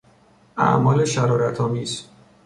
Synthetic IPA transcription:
æ̰ʔmɒːle̞ʃæɾɒːɾæt̪ʰɒːmiːz̥

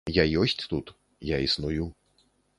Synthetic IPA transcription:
jajɔsʲt͡sʲt̪ut̪ | jaisnuju

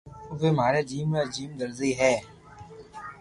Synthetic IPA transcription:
ʋeːmaːɾeːd͡ʒiːmːed͡ʒiːmd̪əɾziɦɛː

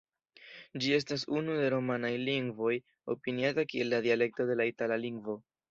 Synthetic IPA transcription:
d͡ʒie̞s̬tas̬unude̞ɾo̞manajliŋɡvo̞j | o̞piniatakie̞lːadiale̞k̚to̞de̞laitalaliŋɡvo̞

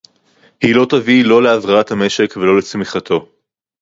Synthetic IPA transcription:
hilo̞tavilo̞leavʁaathame̞ʃe̞kvelo̞let͡smiχat̪ʰo̞

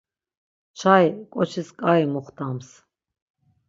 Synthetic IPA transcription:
t͡ʃʰajkʼɔt͡ʃʰiskʼajmuχt̪ʰams

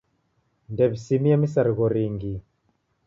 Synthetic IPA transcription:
ndɛβisimijamisaɾiɣɔɾiŋɡi

